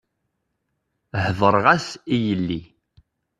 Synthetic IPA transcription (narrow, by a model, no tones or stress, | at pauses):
hðˤəɾˤʁasijəlːi